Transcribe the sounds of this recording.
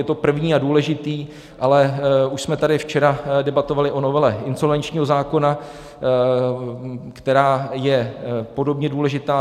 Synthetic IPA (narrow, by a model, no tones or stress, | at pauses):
jɛt̪o̞pr̩vɲiːaduːlɛʒɪt̪iː | ʔalɛuʃsmɛt̪adɪft͡ʃɛɾadɛbat̪o̞valɪʔo̞no̞vɛlɛɪnso̞lvɛnt͡ʃɲiːɦo̞zaːko̞na | kt̪ɛɾaːjɛpo̞do̞bɲɛduːlɛʒɪt̪aː